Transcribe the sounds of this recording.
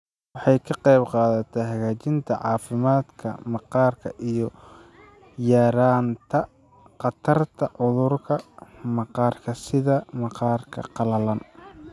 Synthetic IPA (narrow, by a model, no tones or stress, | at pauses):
wɑħɑjkʰɐqɛjbqɑːðɐt̪ʰɛɦɐɣaːt͡ʃɪnt̪ʰɐʕɑːfɪmaːd̪kʰɐ̰mɑqɑːrkʰɐʔijɞ | jaːɾaːnt̪ʰɐ | qɑt̪ʰɐrt̪ʰɐʕʊðʊrkʰɐmɑqɑːrkʰɐsɪðɐmɑqɑːrkʰɐ̰qɑlɐlɐn